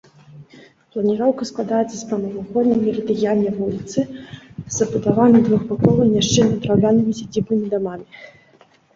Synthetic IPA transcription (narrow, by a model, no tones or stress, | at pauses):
plˠɐnʲiɾɔwkɐsklˠad̪ajɛt̪sɐspɾɐnɐvaxɔd̪ʲnʲɐmʲiɾɐd̪ɨjalʲnʲːɐvulʲit̪sɨzɐbud̪avanɨd̪vuxbakɔlˠɨmnʲaʂt͡ʂɛnʲɐd̪ɾawlʲanɨmʲisʲad͡zʲibnɨmʲid̪amamʲi